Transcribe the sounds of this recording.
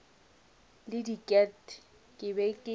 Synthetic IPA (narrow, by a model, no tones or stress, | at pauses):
lɪdikʼɛt | kʼɪbɛkʼɪ